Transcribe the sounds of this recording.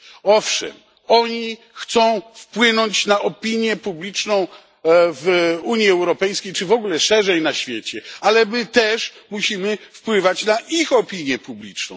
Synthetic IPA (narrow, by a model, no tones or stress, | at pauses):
ɔfʂɛ̰m | ɔɲi | xt̪sɔ̃w̃fpwɪnɔɲt͡ɕnaʔɔpʲiɲjɛpublʲit͡ʂnɔ̃w̃ | vuɲjiɛwɾɔpɛjskʲejt͡ʂɘvɔɡulɛʂɛʐɛjnaɕfʲjet͡ɕɛalɛmɘt̪ɛʂmuɕimɘfpwɘvat͡ɕnaʔixɔpʲiɲjɛpublʲit͡ʂnɔ̰̃w̃